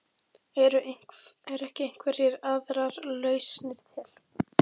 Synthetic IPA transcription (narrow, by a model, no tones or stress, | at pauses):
ɛɾʏɛɾɛhcɪejŋ̥kvɛɾjɛɾaðɾaɾlœːɥsnɪɾ̥t̪ʰjɛl̥